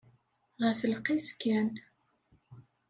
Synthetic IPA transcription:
ʁəfəlqiskæn

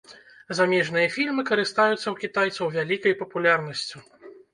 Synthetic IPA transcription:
zamʲɛʐn̪ɨjɐfʲilʲmɨkɐɾɨst̪ajut̪sːɐwkʲit̪ajt̪sɐwvʲalʲikɐjpɐpulʲarnɐsʲt͡sʲi

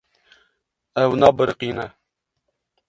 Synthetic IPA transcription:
ɛwnɑːbəɾqiːnɛ

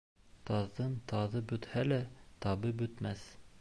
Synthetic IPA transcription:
t̪ɑðːɤnt̪ɑðɤbɵ̆t̪hælæt̪ɑβɤbɵ̆t̪mæθ

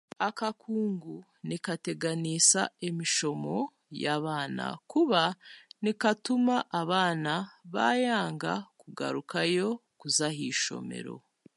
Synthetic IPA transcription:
akakʰuːŋɡu | nikate̞ɡanisa̰emiʃo̞mo̞ | jaβaːna̰kuβanikatumaʔaβaːnaβa̰jaːŋɡa̰kuɡa̰ɾukajo̞kuzaɦiːʃo̞̰me̞̰ɾo̞̰

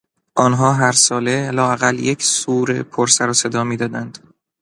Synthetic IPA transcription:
ʔɒːnɦɒːɦæɾsɒːle̞lɒːæɣæljecʰsuːɾḛpʰoɾsæɾɒːse̞d̪ɒːmiːd̪ɒːd̪ænd̪̥

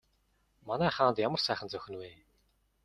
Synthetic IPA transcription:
manæːχaːnt̪jamə̆r̥sæːχə̆nt͡sœxʲɘ̆nweː

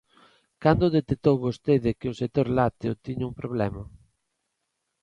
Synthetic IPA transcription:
kand̪ʊðet̪et̪owɣost̪eðɪkɪʊset̪oɾlat̪eʊt̪iɲʊumpɾoβ̞lɛma

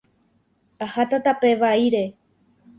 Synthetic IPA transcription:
ahat̪at̪ape̞ʋaiɾe̞

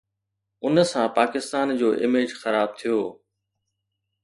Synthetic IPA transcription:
ʊnsãpaːkɪst̪aːnd͡ʑoːʔɪmeːd͡ʑxɐɾaːb̚t̪ʰijoː

